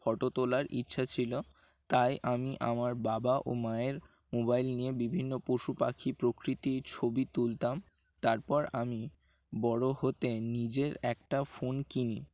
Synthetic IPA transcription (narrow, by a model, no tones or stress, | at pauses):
fɔʈot̪olaɾʔḭtːɕʰat͡ɕʰilo | t̪ajʔamiʔamaɾbabaʔo̰maeɾ | mobajlniebibʱinːopoʃupakʰipɾokɾit̪iɾt͡ɕʰobit̪ult̪am | t̪aɾpɔɾami | bɔɽohot̪enid͡ʑeɾɛk̚ʈafonkini